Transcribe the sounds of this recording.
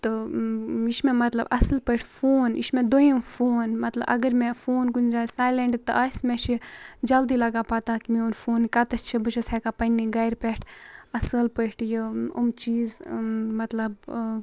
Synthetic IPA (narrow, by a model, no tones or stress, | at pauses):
t̪ɨ | iʃmemɐt̪lɐbɐsəlpəʈʰfoːniʃmẽd̪ojimfʰoːnmɐt̪lɐ̰bʔɐ̰ɡəɾmẽfoːnɡund͡ʒaːsaːjleɳɖt̪ɨ̰ʔasmẽʃid͡ʒɐld̪ilɐɡaːpaːt̪aːkimionfʰoːnkat̪ɐst͡ʃʰibɨʃɐsakapɐnːiɡɐjɾpeʈʰɐsəlpəʈʰjiṵmt͡ʃiːzmɐt̪lɐb